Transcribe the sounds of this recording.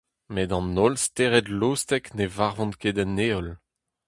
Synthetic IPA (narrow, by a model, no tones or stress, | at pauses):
medɑ̃nɔlst̪eʁɛdloːstɛknevaʁvɔ̃nked̪ɛnːeɔl